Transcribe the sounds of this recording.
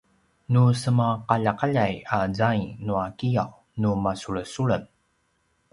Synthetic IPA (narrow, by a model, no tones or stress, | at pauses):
nusəmaqaʎaqaʎajazainuakijaw | numasuɭəsuɭəm